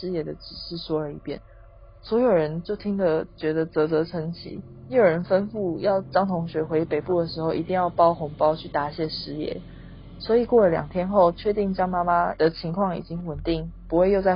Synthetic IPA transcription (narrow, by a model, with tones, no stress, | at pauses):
ʂɻ̩˥jɛ˧˩d̪ə˨ʈ͡ʂɻ̩˨˩ʂɻ̩˥˩swɔ˥ə˞˧i˧˥pjɛ˥˩n | swɔ˧˥jo˨˩ʊɻə˧˦nt͡ɕjo˥˩ʊt̪ʰi˥ŋd̪ə˨t͡ɕɥɛ˧˥d̪ə˨t͡sɤ˧˥t͡sɤ˧˥ʈ͡ʂʰə˧˥ŋt͡ɕʰḭ˧˥˦ | ne˧˥jo˨˩ɻə˧˦nfə˦nfu˥˩jɑ˥˩ʊʈ͡ʂɑ˥ŋt̪ʰʊ˧˥ŋɕɥɛ˧˥xwe˧˥ɪpe˨˩ɪpu˥˩d̪ə˩ʂ̬ɻ̩˧˥xo˥˩ʊʔi˧t̪i˥˧ŋjɑ˥˩ʊpɑ˥ʊxʊ˧˥ŋpɑ˥ʊt͡ɕʰy˥˩t̪a˧˥ɕjɛ˥˩ʂɻ̩˥jɛ̰˧˦ | swɔ˧˥i˨˩kwɔ˥˩lə˨˩ljɑ̰˨˩ŋt̪ʰjɛ˥nxo˥˨˧ʊt͡ɕʰɥɛ˥˧t̪i˥˩ŋt͡ɕjɑ˥ŋma˥ma˦d̪ə˨t͡ɕʰi˧˥ŋkʰwɑ˥˩ŋḭ˨˩t͡ɕi˦ŋwə˨˩nt̪i˥˩ŋpu˧˥xwe˥˧ɪjo˥˧a˥˩ɪ